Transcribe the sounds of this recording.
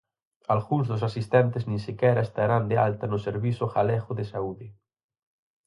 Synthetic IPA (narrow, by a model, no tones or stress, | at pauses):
alɣuŋzðʊs̬asist̪ɛnt̪eznĩnsikɛɾaest̪aɾand̪ealt̪anʊseɾβisʊxalɛɣʊðesauðɪ